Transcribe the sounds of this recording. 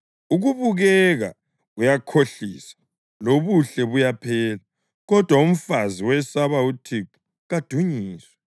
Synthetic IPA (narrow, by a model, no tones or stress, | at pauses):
uɣuβuɣɛɣa̰ | ujakʰoɬisḁ | loβuɬɛβujapʰɛːla | ɣɔd̥ʱwaum̩faziwɛsaβautʰiku̥ | ɣad̥ʱuɲiːswa